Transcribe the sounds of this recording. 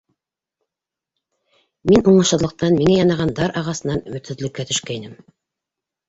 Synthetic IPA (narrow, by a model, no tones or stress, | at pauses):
minuɴɤ̆ʃɤ̆ɾlˠɤ̆q̚t̪ɑnmiŋæjɑnɑʁɑnd̪ɑɾʔɑʁɑsɤ̆nɑnɵmɵ̆t̪ɘ̆ðlɘ̆kːæt̪ɵ̆ʃkæjnɘm